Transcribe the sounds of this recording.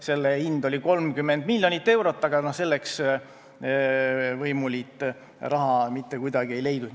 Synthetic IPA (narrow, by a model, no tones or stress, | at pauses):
se̞lːeind̪̥o̞lʲiko̞lmkymːend̪milʲːjo̞nit̪ːe̞wɾo̞t̪ːɑɡ̥ɑnose̞lːeks | vɤjmulit̪ːˑ | rɑɦɑmit̪ːe̞kujd̪ɑɡ̥ie̞jle̞jd̪ud̪